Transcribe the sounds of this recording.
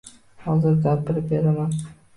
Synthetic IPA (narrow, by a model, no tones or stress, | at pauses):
hɒzɪɾɡʲapːɪɾɪp̚beɾaman